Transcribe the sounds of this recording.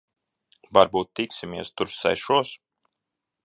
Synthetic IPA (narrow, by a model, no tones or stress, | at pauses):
vaɾbuːt̪ːiksimʲiɛst̪uɾsːɛ̰ʃuɔs